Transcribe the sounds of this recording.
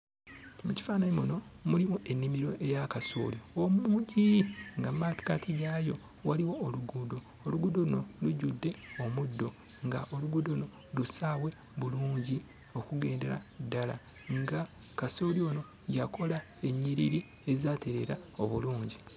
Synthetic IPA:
muci̥faːnaɲimuno̞mulimuʔe̞nːimiɾo̞ʔe̞jakaso̰liomuuːɲɟiŋɡammaːti̥katʰiɡajo̞ | waliwo̞ːluɡuːdoːluɡudolunoluɟudːe̞o̞mudːo̞ | ŋɡaʔo̞luɡudouno̞ | lusawe̞ | βuluːɲɟi | o̞kuɡe̞ːnde̞ɾa̰dːala̰ | ŋɡa | kasolio̞ːno̞ | jako̞la | e̞ɲːiɾḭɾi | e̞zaːte̞ɾe̞ɾaoβuluːɲɟi

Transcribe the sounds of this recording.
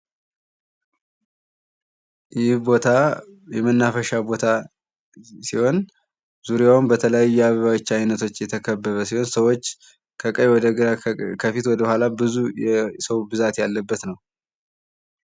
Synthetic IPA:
jɪhbo̞t̪ʰajɛmənːafəʃabo̞t̪ʰa | siho̞n | zuɾjawunbət̪ʰələjajujɛaβəβawɔt͡ʃːajnət̪ʰo̞t͡ʃːjɛt̪ʰəkʰəbːəβəsiho̞nsəwot͡ʃː | kʰəkʼəjwɔd̪əɡəɾakʰəfit̪wɔd̪əhʷalabɨzujɛsəwbɨzat̪jalːəbːət̪nəw

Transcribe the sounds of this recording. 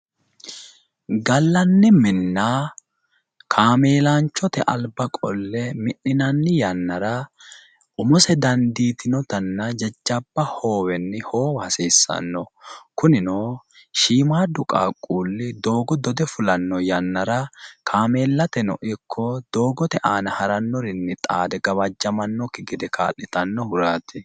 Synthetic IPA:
ɡɐlːɐnːɪmɪnːaː | kʰaːmeːlaːnt͡ʃːɔt̪ɛʔɐlbɐkʼɔlːɛmɪʔːɪnɐnːɪjɐnːɐɾɐ | ʔʊmʊsɛd̪ɐnd̪iːt̪ɪnɔt̪ɐnːɐd͡ʒɛd͡ʒːɐb̥ːɐho̞ːwɛnːɪho̞ːwhɐseːsːɐ̰nːɔkʊnɪnoː | ʃiːmaːd̪ʊkʼa̰ːkʼːuːlːɪd̪o̞ːɡɔd̪ɔd̪ɛfʊlɐnːɔjɐnːɐɾɐkʰaːmeːlːɐt̪ɛnɔ̰ʔɪkʰːɔd̪̥o̞ːɡɔt̪ɛʔaːnɐhɐɾɐnːɔɾɪnːɪt̪ʼaːd̪ɛɡɐβɐd͡ʒːɐmɐnːɔkːɪɡɪd̪ɛka̰ːlːɪt̪ɐnːɔhʊɾaːt̪ɪ

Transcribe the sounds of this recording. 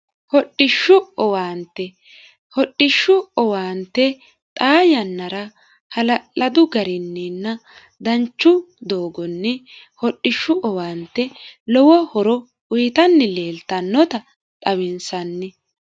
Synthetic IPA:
hɔɗːɪʃːʊɔwaːnt̪ːɛ | hɔɗːɪʃːʊɔwaːnt̪ːɛ | t̪ʼaːjɐnːɐɾɐ | hɐlɐʔɐd̪ʊɡɐɾɪnːinːɐ | d̪ɐnt͡ʃːʊ | d̪oːɡɔnːɛ | hɔɗɪʃːʊʔɔwaːnt̪ːɛlɔwɔhɔɾɔ | ʊjɪt̪ɐnːɪleːlt̪ɐnːɔt̪ɐ | t̪ʼɐwɪnsɐnːɪ

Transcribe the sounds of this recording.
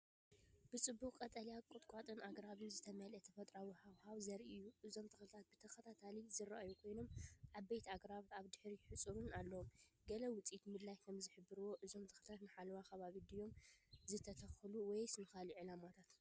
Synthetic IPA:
b̥ɨt͡sʼɨbːuχʼkʼɐt̪ʼɐlijakʼʊt̪ʼkʷʼat̪ʼɨnʔaɡɾaβɨnzɨt̪ʰɐmɐlɐt̪ʰɐfɐt̪ʼɾawhawhaβzɐɾʔijːuʔɨzo̞mt̪ʰɨxlt̪ʰat̪̚bɨt̪ʰɐxɐt̪ʰat̪ʰalizɨɾa̰ʔajukʰo̞jno̞mʕaβbejt̪ʰiaɡɾaβt̪aβd̪ɨħɾiħɨt͡sʼɨɾunalːɐwomɡɐlɐwʊt͡sʼit̪mɨd̪lajkʰɐmzɨħɨbːɨɾɨwo̞ʔɨzo̞mt̪ʰɨ̥xlt̪ʰat̪nɨħalwaxɐβaβid̪ijo̞mzɨt̪ʰɐt̪ʰɐxluwɔjsɨnɨxaliʕɨlamat̪ʰat̪

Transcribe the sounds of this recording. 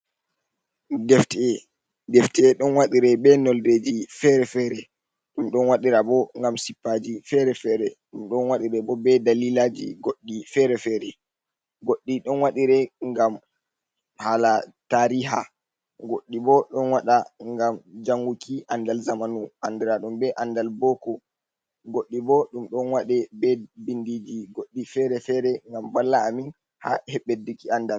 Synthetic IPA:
dɛftɛ | dɛftɛɛɗɔnwaɗiɾɛbɛnɔlded͡ʒifɛɾɛfɛɾɛ | ɗumɗɔnwaɗiɾabɔŋɡamsipːaːd͡ʒifɛɾɛfɛɾɛɗumɗɔnwaɗiɾɛbɔbɛdalilad͡ʒḭɡoɗːifɛɾɛfɛɾɛ | ɡoɗːiɗɔnwaɗiɾɛŋɡam | halataɾiɦa | ɡoɗːibɔɗɔnwaɗaŋɡamd͡ʒaŋɡukiʔandalzamanuʔandɛɾaɗumbɛʔandalbɔkɔ | ɡoɗːibɔɗumɗɔnwaɗɛbɛbindid͡ʒiɡoɗːifɛɾɛfɛɾɛŋɡambalːaːmin | ha̰hɛɓːedːikiandal

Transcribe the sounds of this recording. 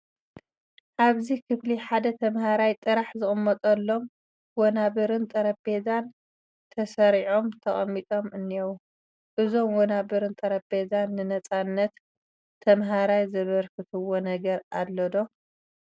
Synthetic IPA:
ʔaβzikʰɨfliħad̪ɐt̪ʰɐmhaɾajt̪ʼɨɾaħzɨɣʼɨmːɐt̪ʼɐlːo̞m | wonaβɨɾɨnt̪ʼɐɾɐbezan | t̪ʰɐsɐɾiʕo̞mt̪ʰɐχʼɐ̰mːit̪ʼo̞mʔɨnːiow | ʔɨzo̞mwonabɨɾɨnt̪ʼɐɾɐbe̞zanːɨnɐt͡sʼanːɐt̪ʰː | ɐmɦaɾajzɐβɐɾkʰɨt̪ʰɨwːonɐɡɐɾallːɐd̪o̞

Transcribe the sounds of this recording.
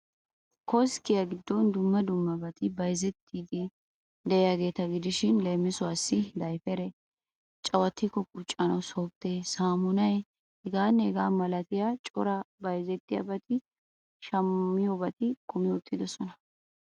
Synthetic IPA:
kɔskɪjɐɡɪd̪ːɔnd̪ʊmːɐd̪ʊmːɐbɐt̪ɪbɐjzɛt̪ʰːiːd̪ɪ | d̪ɛjaɡe̞ːt̪ɐɡɪd̪ɪʃɪnleːmːɪsʊwaːsːɪd̪ɐjfɛɾɛ | t͡ʃʼɐwɐt̪ːɪkɔkʼʊt͡ʃʼːɐnɐwsɔk̚t̪ːeːsaːmʊnɐj | ɛɡaːnːɛɛɡaːmɐlɐt̪ɪjat͡ʃʼɔ̰ɾɐbɐjzɛt̪ːɪjɐ̰bɐt̪ɪ | ʃɐmːɪjobɐt̪ɪkʰʊmɪjʊt̪ʼːɪd̪ɔsɔnɐ

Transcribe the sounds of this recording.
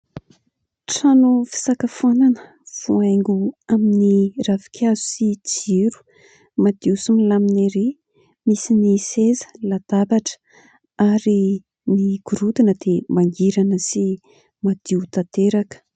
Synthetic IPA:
ʈ͡ʂanufi̥sakafananə | v̥uajŋɡuaminiravi̥kʰʲazu̥sit͡siɾu̥ | mad̪̥iusumilamineɾe | misinisezə̥lad̪̥abaʈ͡ʂə̥ | aɾi | nikuɾud̪inəd̪̥emaŋɡiɾanəsi | mad̪̥iut̪at̪eɾakə̥

